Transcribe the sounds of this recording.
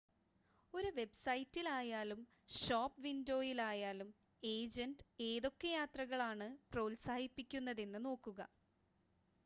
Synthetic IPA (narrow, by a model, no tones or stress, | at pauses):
o̞ɾuʋe̞bsɐjtːilaːjaːlum | ʂoːpːʋindo̞ːjilaːjaːlum | e̞ːd͡ʑɐnde̞ːðo̞kːejaːt̪rɐɣɐɭaːɳɨproːlsaːhipːikʲːunːɐðe̞nːɨno̞ːkːuɣɐ̰